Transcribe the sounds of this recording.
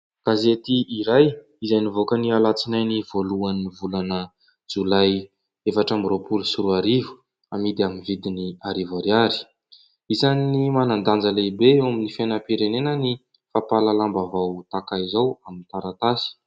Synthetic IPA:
ɡ̥azet̪iʔiɾaj | izajnivokənialat͡sinajniv̥oluanːivulanə | d͡zulaj | efaʈ͡ʂamropulusuɾuaɾivu̥ | amid̪iaminvid̪iniaɾivaɾjaɾi̥ | izaninimanand̪and͡zəleibeewaminifenəpiɾenenəni | fapalalambavawt̪akajizawamint̪aɾat̪asi̥

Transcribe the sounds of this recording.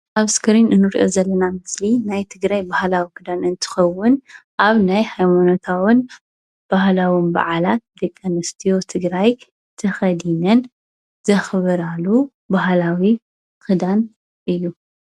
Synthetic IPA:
ʔaβskʰɨɾinɨnːɨɾʔo̞̰zɐlːɐnamɨslinajt̪ʰɨɡɾajbahlawikʰɨd̪anɨnt̪ʰɨ̥xɐwːʊnʔaβnajhajmanot̪ʰawɨn | b̥ahlawɨnba̰ʕalat̪̚d̪ɐkʼːɐnɨst̪ʰijot̪ʰɨɡɾaj | t̪ʰɐxɐd̪inɐn | zɐxβɨɾalu | baɦlawi | kʰɨd̪an | ʔɨjːu

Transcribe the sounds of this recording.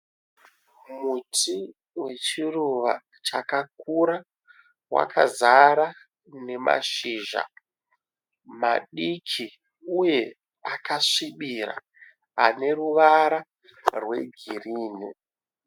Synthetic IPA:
muti | we̞t͡ʃiruʋa | t͡ʃakak̚uɾa | wa̰kʰazaɾa | ne̞ma̰ʃiːʒa̰ | maɗikʰi | uje̞ | akaʂiɓiɾa̰ː | ne̞ruʋaɾa | rwe̞ɡʱiriːni

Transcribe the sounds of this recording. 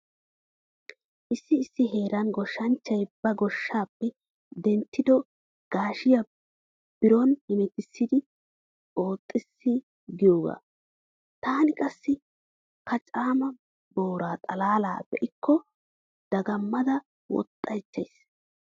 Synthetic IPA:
ʔɪsːɪːsːɪɦe̞ːɾɐnɡɔʃːɐnt͡ʃːɐjbɐɡɔʃːaːpːɛ | d̪ɛnt̪ːɪd̪ɔ | ɡ̥aːʃɪjɐ | b̥ɪɾɔnhɪmɪt̪ɪsːɪd̪ɪ | o̞ːt̪ʼːɪsːɪ | ɡɪjoːɡa̰ː | t̪aːnɪkʼɐsːɪ | kʰɐt͡ʃʼaːmɐ | bo̞ːɾaːt̪ʼɐlaːla̰ːbɛʔɪkʰːɔ | d̪̥ɐɡɐmːɐd̪ɐ | wɔ̰t̪ʼːɐjt͡ʃːɐ̰js

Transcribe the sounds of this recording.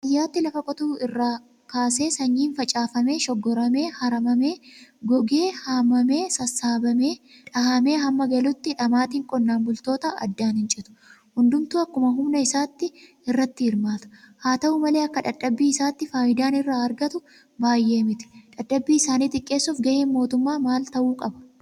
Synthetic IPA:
ɐjːaːt̪ːɪlɐfɐkʼɔt̪uːɪrːaː | kaːse̞ːsɐɲːiːnfɐt͡ʃʼaːfɐme̞ːʃɔɡːɔɾɐme̞ːhɐɾɐmɐme̞ːɡɔɡe̞ːhaːmɐme̞ːsɐsːaːbɐme̞ːᶑɐhɐme̞ːɦɐmːɐɡɐlʊt̪ːɪᶑɐmaːt̪iːŋkʼɔnːaːnbʊlt̪o̞ːt̪ɐɐ̰d̪ːaːnhɪnt͡ʃʼɪt̪ʊ̥hʊnd̪ʊmt̪uːɐkːʊmɐɦʊmnɐɪsaːt̪ːɪ | ɪrːɐt̪ːɪhɪɾmaːt̪ɐ̥haːt̪ɐʔumɐle̞ːɐkːɐᶑɐᶑːɐbːiːɪsaːt̪ːɪfaːjɪd̪aːnɪrːaːɐɾɡɐt̪ʊ | baːjːe̞ːmɪt̪ɪ̥ᶑɐᶑːɐbːiːɪsaːniːt̪ɪkʼːe̞ːsːʊfɡɐʔeːnmo̞ːt̪ʊmːaːmaːlt̪ɐʔuːkʼɐbɐ̥

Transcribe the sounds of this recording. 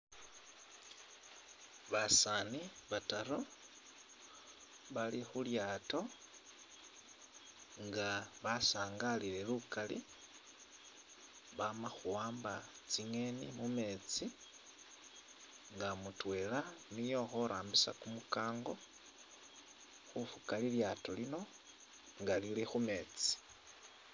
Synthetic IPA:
βasaːniβataɾo | βalixuljaːto̞ | ŋɡaβasaːŋɡalile̞lukalḭ | βamaxuwaːmbat͡siŋe̞nimume̞t͡si | ŋɡamutwe̞ːlanijo̞xoɾʔaːmbisa̰kumukaːŋɡo̞ | xufukaliljaːto̞lino̞ | ŋɡalilixume̞ːt͡si̥

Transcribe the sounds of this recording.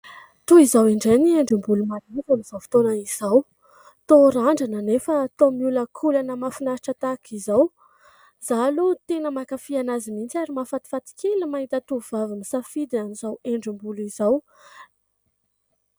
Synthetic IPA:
t̪uizaweɳɖ͡ʐenieɳɖ͡ʐimbulumad̪ivamiz̥awfi̥t̪onəizaw | t̪oɾaɳɖ͡ʐanənefəːt̪omiuləkʰulanəmafinaɾaʈ͡ʂət̪akʰizaw | z̥alut̪enəmakafianazimint͡siaɾimafat̪i̥fat̪i̥kʰelimait̪ət̪uvavimisafid̪ianizaweɳɖ͡ʐimbulizaw

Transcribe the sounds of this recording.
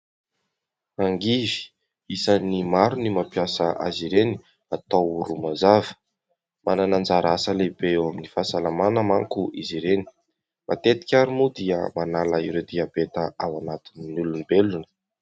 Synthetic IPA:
aŋɡivi̥ | isənimaɾunimapjasəʔa̰ziɾeni | at̪ouɾumazavə̥ | mananand͡zaɾasəlebeewaminifasalamanəmaŋkuʔiziɾeni̥ | mʔa̰t̪et̪i̥kʲaɾumud̪iə̰manalaiɾed̪iabet̪əawanat̪ininulunibelunə̥

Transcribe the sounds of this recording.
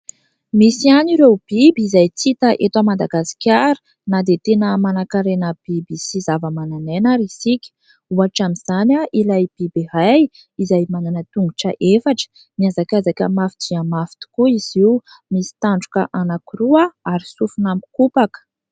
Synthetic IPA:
misianiɾewb̥ibizajt͡sit̪əʔet̪amand̪aɡasi̥kʲaɾi̥ | nad̪et̪enəmanakaɾenəb̥ibisizavəmananenaɾisikʲə̥ | uaʈ͡ʂamiz̥anʲaʔilajb̥ibeɦaj | izajmananət̪uŋɡuʈ͡ʂə̰ʔefaʈ͡ʂə̥ | niazakʲazakʲəmafi̥d͡ʒiamafi̥t̪i̥kuiz̥iw | misi̥t̪aɳɖ͡ʐukə̰ʔanakiɾuəaɾisufunami̥kupakə̥

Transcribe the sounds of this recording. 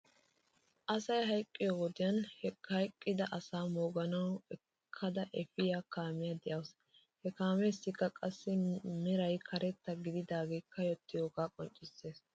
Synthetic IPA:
ʔɐsɐjɦɐjkʼːɪjowɔd̪ɪjɐnhɛhɐjkʼːɪd̪ɐʔɐsaːmoːɡɐnɐwɛ | kʰːɐd̪ɐʔɛfɪjaːkaːmɪjad̪ɛjɐws | hɛkaːmeːsːɪkːɐkʼɐsːɪmɛɾɐjkʰɐɾɛt̪ːɐɡɪd̪ɪd̪aːɡejkːɐjɔt̪ːɪjoːɡaːkʼɔnt͡ʃʼːɪsːe̞ːs

